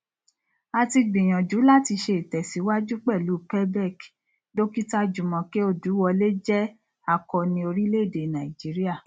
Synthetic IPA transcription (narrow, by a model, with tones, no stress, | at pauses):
a˧ti˧ɡ͡bĩ˨j̃ɔ̃˨d͡ʒu˨˦la˦˨ti˧ʃe˧˨i˨tɛ˨si˨˦wa˦d͡ʒu˦k͡pɛ˦˨lu˨˦pɛ˦bɛ˦˨k | do˦ki˦ta˦d͡ʒu˨mɔ̃˨˦ke˦o˦˨du˨˦wɔ˧le˦d͡ʒɛ˦ | a˧˨kɔ˧nĩ˧o˧ɾi˦le˦˨de˨nã˨i˨d͡ʒi˨˦ɾi˦a˦˨